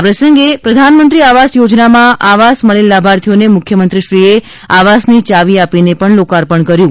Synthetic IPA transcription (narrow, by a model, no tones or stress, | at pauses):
apɾəsəŋɡepɾəd̪ʱanmənt̪ɾiaʋasjod͡ʒnamãʔaʋasməɭelːabʱaɾt̪ʰijonemʊkʰjəmənt̪ɾiʃɾie | aʋasnit͡ʃaʋiapinepəɳlokaɾpəɳkəɾjũ